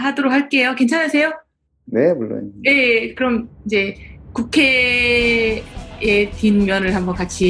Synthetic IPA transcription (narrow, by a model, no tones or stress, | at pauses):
ɦadoɾok̚haɭk͈e̞joke̞nt͡ɕʰaɲasʰe̞jo | nemuɭːo̰nje̞kɯɾʌmid͡ʑe̞kukʰe̞ | etinmjʌnɯɭɦhambʌnkat͡ɕʰi